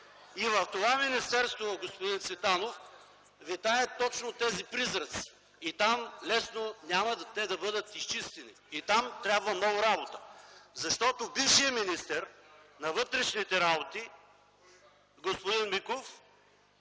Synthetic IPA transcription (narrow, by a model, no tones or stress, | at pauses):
ivɐft̪ovaminist̪ɛɾst̪voɡospʊd̪insvɛt̪anof | vit̪aɛt̪ɔt͡ʃnot̪ɛzipɾizɾət̪si̥ː | t̪amlɛsnonʲamɐt̪ɛd̪ɐbɤd̪ət̪ist͡ʃist̪ɛnḭːt̪amt̪ɾʲabvɐmnɔɡʊɾabot̪ə̥zɐʃt̪ɔt̪obifʃijəminist̪ɛɾnɐvɤt̪ɾɛʃnit̪ɛɾabot̪i | ɡospod̪inmikof